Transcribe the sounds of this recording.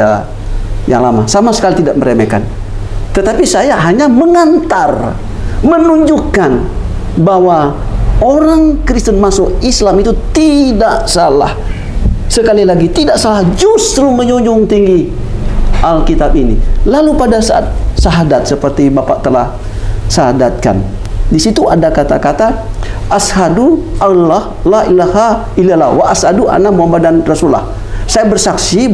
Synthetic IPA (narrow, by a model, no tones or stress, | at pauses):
a | ja̰ŋlama̰samasə̥kalit̪idaʔ̚məɾemeka̰n | t̪ət̪apisajaɦaɲaməŋant̪ar | mənuɲd͡ʒukːan | bawa | oɾaŋkɾist̪ənmasoislamit̪ut̪idaʔsala̰h | səkalilaɡit̪idaʔsalahd͡ʒust̪ɾuməɲuɲd͡ʒʊŋt̪iŋɡi | ʔalkit̪abinḭlalupadasa̰ʔa̰t̪̚saɦadat̪̚səpərt̪ibapaʔt̪əla̰h | saɦadat̪̚ka̰ndisit̪uadakat̪akat̪aʔashaduʔalahlailaha | ilala̰waʔasaduʔa̰namuabadanrasula̰h | sajabərsaksi